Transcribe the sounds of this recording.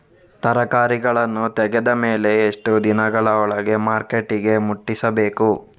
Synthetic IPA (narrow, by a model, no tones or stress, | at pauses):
t̪ɐɾɐkaːɾiɡɐɭɐnːut̪ɛɡed̪ɐmeːle̞ːʂʈud̪inɐɡɐɭɐɔɭɐɡe̞maːɾkeʈːiɡe̞muʈːisɐbeːku